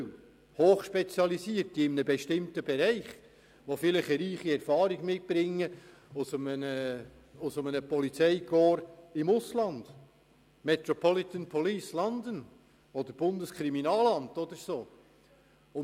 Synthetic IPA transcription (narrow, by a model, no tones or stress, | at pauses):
hoːχʃpet͡sjɑlisiəɾtiɪmənəbɛʃtɪmtəbɛɾɛɪχ | ʋofɪlɪχəɾiːχiɛɾfɑːɾiɡmɪt̚b̥ɾɪŋːə | ʊsmənə | ʊsʊmənəpɔlit͡sɛɪkɔːɾɪmʊslɑnd̥̪ | mɛt̪ɾɔpʰɔlit̪ənpʰɔliːslɑnd̪ən | ɔd̪əɾb̥ʊndəskχɾiminɑːlɑndɔd̪əɾsoː | ʊ